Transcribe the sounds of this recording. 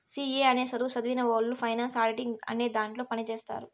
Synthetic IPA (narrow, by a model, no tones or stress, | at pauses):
siːeːɐne̞ːsɐd̪uːsɐd̪ʋiːnɐʋoːlːupʰɐjnaːnsaːɾʈiŋɡɐ̰neːd̪aːɳʈlo̞ːpɐnit͡ʃeːst̪a̰ːɾu